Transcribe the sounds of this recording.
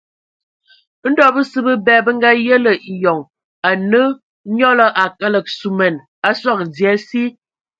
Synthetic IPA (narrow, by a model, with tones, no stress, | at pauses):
n̩˦dɔ˦bə˦sɨ˦bə˦bɛː˨bə˦ŋ̩˦ɡa˦jə˦lə˨ʔi˨jɔ˨ŋ | a˨nə˦ | ɲɔ˦lə˦ʔa˨kə˦lə˨k̚su˨mɛ˨n | a˦swa˦˨k̚d͡zjɛ˨˦si˦